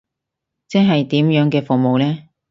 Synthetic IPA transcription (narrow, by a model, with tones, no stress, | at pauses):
t͡sɛː˥nɦɐ˨jt̪iː˨˥mjœː˨˥ŋkɛː˧fʊ˨mo˨wlɛː˥